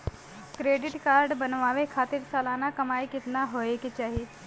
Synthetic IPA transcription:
kɾeːɖɪʈkaːɾɖbɐnʋaːʋekʰaːt̪ɪɾsaːlaːnakɐmaːikɪt̪naɦoːeket͡ʃaːɦieː

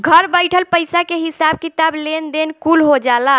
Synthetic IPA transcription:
ɡʱəɾbəɪʈʰəlpəjsakeɦisab̚kit̪ablend̪enkulɦod͡ʒala

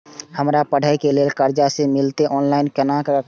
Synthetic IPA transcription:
həmɾapəɽ̤əjkelelkəɾd͡ʒasemilt̪eʔɔːnlaɪnkənak

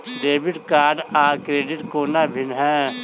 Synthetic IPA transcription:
ɖeːbɪʈkaːɾɖaːkɾeːɖɪʈkoːnabʱɪnɦɛ̃ː

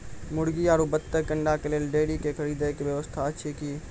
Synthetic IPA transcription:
mʊɽɡiaːɾubət̪ːəkəɳɖakeleːlɖeːɽikekʰəɾiːd̪ekʋjəʋəst̪ʰaətːʃʰiki

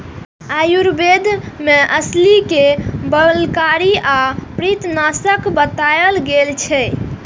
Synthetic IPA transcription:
ajuɾbed̪ʱmeʔəslikebəlkaɾiapɾit̪nasəkbət̪ajəlɡelt͡ʃʰɛ

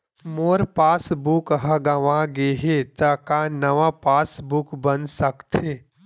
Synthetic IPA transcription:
moːɾpaːsbukɦɐɡɐʋãɡeːɦet̪ɐkanɐʋapaːsbʊkbənsɐkt̪eː

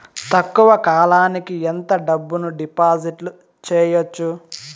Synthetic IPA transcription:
t̪ɐkːuʋɐkaːlaːnikient̪ɐɖɐbːunuɖipaːd͡ʒiʈlu | t͡ʃɛːjot͡ʃːu

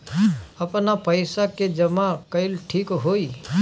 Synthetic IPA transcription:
əpnapəjsaked͡ʒəmakəjlʈʰikɦoi

